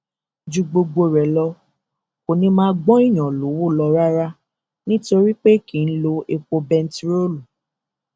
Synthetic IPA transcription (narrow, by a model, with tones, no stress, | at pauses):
d͡ʒu˧ɡ͡bo˧ɡ͡bo˧ɾɛ˨lɔ˧ | o˨nĩ˧mãː˦ɡ͡bɔ̃˦i˦˨j̃ɔ̃˨lo˨˦wu˦˨lɔ˧ɾa˦ɾa˦ | nĩ˦to˧ɾi˦k͡pe˦kĩ˨n̩˦lo˧e˧k͡po˧bɛ̃˧n̩˦tɾo˦lu˨